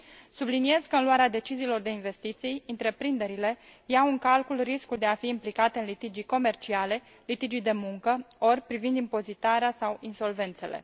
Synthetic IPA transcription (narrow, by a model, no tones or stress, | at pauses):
sublinie̞zkəɨnluaɾead̪e̞t͡ʃiziːlo̞rd̪e̞inve̞st̪it̪sijɨnt̪ɾe̞pɾind̪e̞ɾile̞ | jawɨŋkalkulriskuld̪e̞afiːmplikat̪eɨnlit̪id͡ʒijko̞me̞rt͡ʃiale̞ | lit̪id͡ʒijd̪e̞muŋkəo̞rpɾivind̪impo̞zit̪aɾeasawinso̞lve̞nt̪se̞̰le̞̰